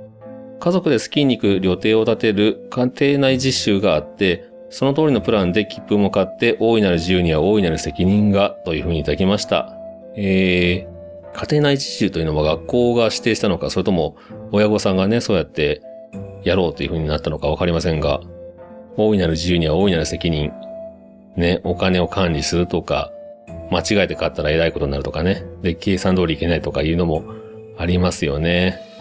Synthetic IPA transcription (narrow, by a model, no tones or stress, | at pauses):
kazo̞kɯ̟d̪e̞sɨ̥kʲiɲ̟ʲːikɯ̟ɾʲo̞t̪e̞ːo̞t̪at̪e̞ɾɯ̟kʰat̪e̞ːnaiʑiɕɨːɡaːt̪ːe̞ | so̞no̞t̪o̞ːɾʲino̞pɯ̟ɾãnd̪e̞kʲi̥pːɯ̟mokat̪ːe̞ʔo̞ːinaɾɯ̟ʑijɯ̟ːɲ̟iβao̞ːinaɾɯ̟se̞kʲiɲ̟ĩŋɡat̪o̞jɯ̟ɸɯ̟ːɲ̟it̪ad̪akʲimaɕi̥t̪a̰ | eː | kʰḁt̪e̞ːnaid͡ʑi̥ɕɨːt̪ojɯ̟no̞maɡakːo̞ːɡaɕi̥t̪e̞ːɕi̥t̪ano̞kasoɾet̪o̞mo̞ | ojaɡo̞sãŋɡaneso̞ːjat̪ːe̞ | jaɾo̞ːt̪ːe̞iɯ̟ɸɯ̟ɲ̟inat̪ːano̞kaβ̞akaɾʲimasẽ̞ŋɡa̰ | o̞ːinaɾɯ̟ʑiɯːɲ̟iβao̞ːinaɾɯ̟se̞kʲiɲ̟ĩŋ | ne̞ʔo̞kane̞o̞kʰãɲʲɾʲisɨɾɯ̟t̪o̞ka̰mat͡ɕiɡaet̪e̞kat̪ːaɾae̞ɾaiko̞t̪o̞ɲ̟inaɾɯ̟t̪okane̞d̪e̞kʰe̞ːsãnd̪o̞ːɾiːke̞nait̪o̞kajɯ̟ːno̞mo̞ | aɾʲimasɨjo̞ne̞